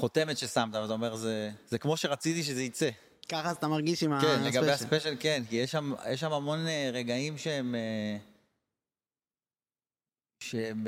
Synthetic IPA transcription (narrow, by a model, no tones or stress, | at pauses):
χo̞t̪e̞me̞t̪ʃesamt̪avlat̪aome̞ʁzezekmo̞ʃe̞ʁat͡sit̪iʃ̬ezeit͡se̞ | kaχazat̪amaʁɡiʃimakenleɡabehaspeʃalke̞nkijeʃamjeʃ̬amamo̞neʁe̞ɡaimʃeeme | ʃem